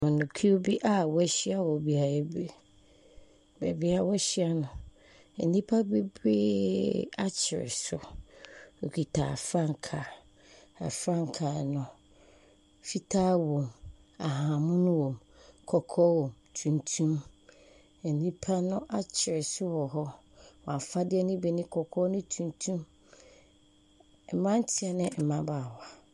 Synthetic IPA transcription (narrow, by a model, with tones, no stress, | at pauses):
ʊ̃˨nʊ̃˨kʰi˦o˦bi˦ʔa˦wɔ˦ɕɪ˦a˦wɔ˨bi˦a˨ɛ˦bɾe˦˨ | bɛ˨bɪ˦a˨wɔ˦ɕɪ˦a˦nʊ̃˨ | ɛ˨nĩ˦pʰa˦be˦bɪː˦a˦t͡ɕʰɪ˨ɾɪ̰˨sʊ˨ | o˨kʰi˨tʰa̰ː˨fɾã˦ŋ˨kʰa˨ | a̰˨fɾã˦ŋ˨kʰaː˨nʊ̃˨ | fi˦tʰaː˦wõ˨m | a˨ɦaã˨mʊ̃˦nʊ̃˦wõ˨m | kʰɔ˨kʰɔ˦wɔ̃˨mtʰũ˨ntʰũ˦m | ɛ˨nĩ˦pʰa˦nʊ̃˦ʔa˦t͡ɕʰɪ˨ɾɪ˨sʊ˦wɔ˨ɦɔ˦ | wɔ̃˨a˨fa˦dɪ˦ɛ˦nĩ˦bi˨nɪ̃˦kʰɔ˨kʰɔ˦nʊ̃˦tʰũ˨ntʰũ˦m | ɛ˨mã˦n̩˦tʰɪ˦ɛ˨nɪ̃˦˨m̩˨mã˦baː˨ha˨